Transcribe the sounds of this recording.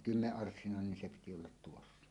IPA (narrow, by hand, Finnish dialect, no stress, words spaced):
kymːeʔːɑrsːinɑˑenen nin se piti olːɑt tuosːɑ